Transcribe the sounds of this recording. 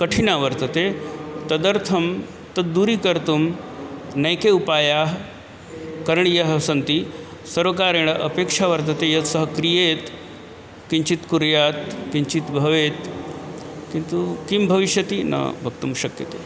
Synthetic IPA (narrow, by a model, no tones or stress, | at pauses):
kəʈʰinaʋəɾt̪ət̪et̪ɐd̪əɾt̪ʰɐm | t̪ɐd̪uɾiːkəɾt̪um | nɐjkeupajaɦ | kəɾɳjɐɦəsɐnt̪i | sɐɾʋəkaɾeɽ̃əʔəpekʂaʋəɾt̪ət̪ejɐt̪səɦəkɾijet̪ | kiɲt͡ɕit̪kuɾjat̪kiɲt͡ɕit̪bʱɐʋet̪ | kint̪ukimbʱɐʋiʃjət̪inɐ̰bʱɐɡ̚t̪umɕɐkjə̰t̪e